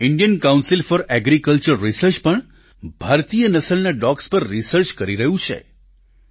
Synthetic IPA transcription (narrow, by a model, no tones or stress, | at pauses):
ɪɳɖijənkãwnsilfɔɾɛɡɾikəlt͡ʃəɾːisəɾt͡ʃpəɳ | bʱaɾt̪ijənəsəlnaɖɔkspəɾːisəɾt͡ʃkəɾiɾəɦũt͡ʃʰḛ